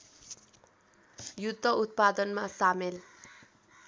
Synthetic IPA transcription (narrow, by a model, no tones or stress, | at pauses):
jud̪ʱːʌut̪̚pad̪ʌnmasamel